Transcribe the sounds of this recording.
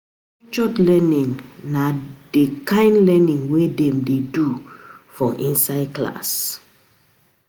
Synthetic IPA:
t͡ʃɔtlɛnĩŋnadekãɪ̃ndlɛnĩŋwedɛ̃mdedufɔʔĩnsaɪd̚kla̰s

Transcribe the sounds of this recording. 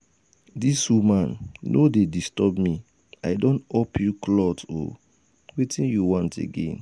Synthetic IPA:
disumãnːodedistɔbmi | aɪdõntɔpʰjuklɔto̰ | wetĩnjuwɔ̃ntḛɡḛ̃n

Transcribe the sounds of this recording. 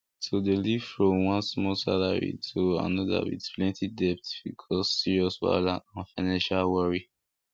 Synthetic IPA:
tʰodeliv̥fɹɔ̃mwɔ̃nsmɔlsalaɹḭtʰoa̰nɔda̰wḭtsplɛ̃ntʰidɛp̚tb̥ikʰɔssiɹiɔswa̰laãnfaɪnãnʃalwɔɹi

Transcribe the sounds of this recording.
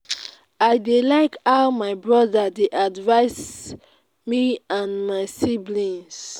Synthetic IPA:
aɪdilaɪkaʊmaɪbɹɔðadeʔadvaɪs | miãnmaɪsiblĩns

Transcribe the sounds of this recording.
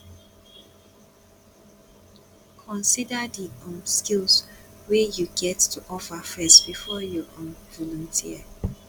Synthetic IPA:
kʰɔ̃nsidədiɔ̃mskilswejuɡɛtːʰuʔɔfəfɛsbifɔjɔʔõnvɔlɔ̃ntʰiə

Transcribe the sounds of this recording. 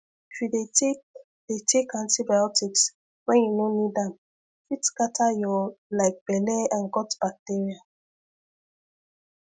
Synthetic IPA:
ifidetek | d̥etʰekãntibaɔtiks | wɛ̃njunonidãn | fitskatʰajɔlaɪk̚b̥ɛlɛãnkɔtb̥ak̚teɹia

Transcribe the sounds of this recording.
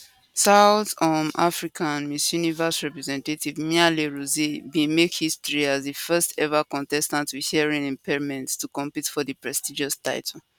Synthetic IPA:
saʊθɔ̃ma̰fɹikʰãnmisjunivəsɹɛpɹɛzɛ̃ntativmialeɹuzibĩmekhistɹiazðifɛstɛvakɔ̃ntɛstãntwihiɛɹĩnĩmpʰɛɹmɛ̃ntstukɔ̃mpitfɔðəpɹɛstid͡ʒɔstaɪtʰɔl̩

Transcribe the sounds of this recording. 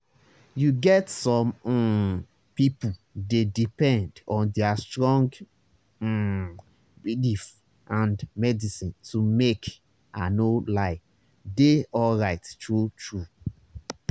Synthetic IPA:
juɡɛtsɔ̃m̩ | pipudedipɛ̃ndɔ̃ndɛastɹɔ̃ŋɡ̩ | bilif | ʔãndmɛdisĩntumek | anolaɪ | deɔlɹaɪttɹutɹu

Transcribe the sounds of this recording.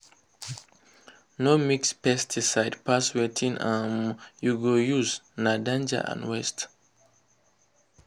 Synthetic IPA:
nomikspɛstʰisaɪdpaswetʰĩnãnjuɡojuznadãnd͡ʒa̰ʔã̰nwɛst

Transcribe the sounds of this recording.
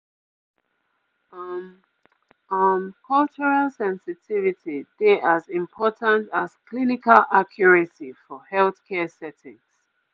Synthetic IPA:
m | ʌmkʰʌlt͡ʃəɹalsɛ̃nsɪtʰivitʰideʔazɪ̃mpʰɔtʰə̃ntaz̥kʰlinikalʔakʰjɔɹəsifɔhɛlθkʰɛsɛtɪ̰̃ŋs

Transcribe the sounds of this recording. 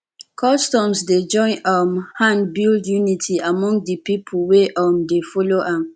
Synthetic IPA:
kʰɔstɔ̃msded͡ʒɔ̃ɪ̃nʔamhãnbildjunitʰiamɔ̃ŋdipipʰoweʔamdefɔloʔãm

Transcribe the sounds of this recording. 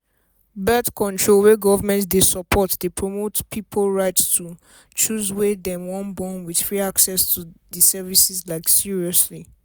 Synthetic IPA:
bɛtkɔ̃ntʰɹolweɡɔvəmɛ̃ntdesɔpʰɔtdepʰɹɔmotpʰipʰolɹaɪtstʰu | t͡ʃuzwedɛ̃mwɔ̃nbɔ̃nwid̥fɹiaksɛstʰudisɛvisizlaɪksiɹiɔsli

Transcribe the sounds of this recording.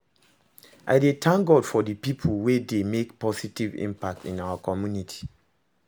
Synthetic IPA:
ʔa̰ɪdetʰãŋɡɔdfɔdəpipʰulwedemekpɔsitivḭ̃mpak̚tḭ̃nawakʰɔmjunitʰi̥

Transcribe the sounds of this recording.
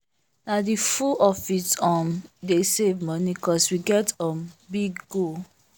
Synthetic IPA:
nadifuʔɔfitɔ̃mdesevmɔnikɔswiɡɛtɔ̃mbiɡɡo

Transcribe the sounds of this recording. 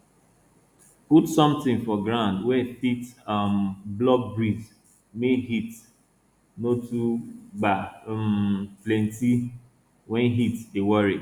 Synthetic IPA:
putsɔ̃mtɪ̃ŋfɔɡɹãndwɛfitamblɔɡ̚bɹiz | meɦit | notubamplɛ̃nti | wɛ̃nɦitewɔɹi

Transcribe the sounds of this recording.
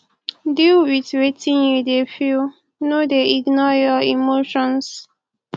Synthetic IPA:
dilwitwetĩnjudefil | nodeiɡnɔjɔimoʃɔ̃ns

